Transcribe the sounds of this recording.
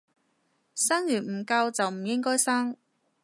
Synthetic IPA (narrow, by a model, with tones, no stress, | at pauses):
saː˥ŋjyː˨˩nm̩˨˩kɐ˧wt͡sɐ˨wm̩˨˩jɪ˥ŋkɔː˥jsaː˥ŋ